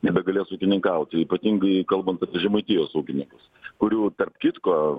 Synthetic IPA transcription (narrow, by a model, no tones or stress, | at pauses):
nʲɛbʲɛt̪ɡɐlʲeːsuːkʲɪnʲɪŋkɐʊt̪ʲɪiːpɐt̪ʲiŋɡɐɪkɐlˠbɐnt̪ɐpʲiɛʒʲɛmɐɪt̪ʲiːjoːsuːkʲɪnʲɪŋkʊs | kʊɾʲuːt̪ɐrpkʲit̪koː